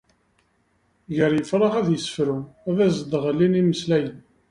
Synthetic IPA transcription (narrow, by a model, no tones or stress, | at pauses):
ʝəɾjəfɾˤəʁæðjəsə̥fɾuævæzd̪ʁəlːiniməslæjən